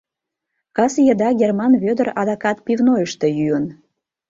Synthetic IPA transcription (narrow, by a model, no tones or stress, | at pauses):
kɑsjəd̪ɑɡʲermɑnβød̪ərɾɑd̪ɑkɑt̪pivnojəʃt̪ejyən